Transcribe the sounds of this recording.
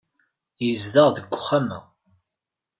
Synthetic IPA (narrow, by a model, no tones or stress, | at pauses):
jəzðəʁðəɡʷːʊ̥χːamæ̰